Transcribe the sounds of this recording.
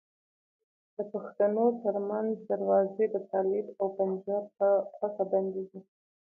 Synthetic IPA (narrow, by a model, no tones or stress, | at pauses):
d̪əpaxt̪anot̪əɾmanzd̪aɾwɑzed̪ət̪ɑlɪbawpand͡ʒɑɾt̪axwakaband̪eɡi